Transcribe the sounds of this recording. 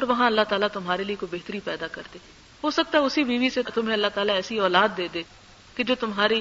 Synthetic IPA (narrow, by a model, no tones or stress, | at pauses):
ɔːɾʋɐɦãɐlːaɦt̪aːlat̪ʊmɦaːɾeliekobeɦt̪əɾipɛːd̪akɐɾd̪eː | ɦoːsɐk̚t̪aɦɛʊsibiːʋiset̪ʊmɦẽɐlːat̪aːlaɛːsiɔːlaːd̪ːeːd̪eː | ked͡ʒoːt̪ʊmɦaːɾi